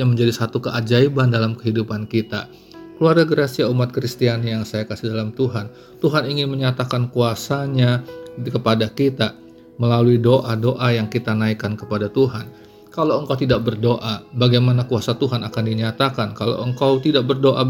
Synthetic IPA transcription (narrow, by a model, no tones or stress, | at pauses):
aməɲd͡ʒadisat̪ukəʔad͡ʒaibandalamkə̥ɦidupankit̪a̰ | kəluarɡaɡəɾasiaumat̪̚kɾist̪ianijaŋsajakasihdalamt̪uɦan | t̪uɦaniŋɪnməɲat̪akankuasaɲakəpadakit̪a | məlaluidoʔadoʔajaŋkit̪anaikankəpadat̪uɦan | kalawəŋkawt̪̬idaʔ̚bərdoʔabaɡajmanakuasat̪uɦanakandiɲat̪akankalo̰ʔəŋkawt̪idaʔ̚bərdoʔa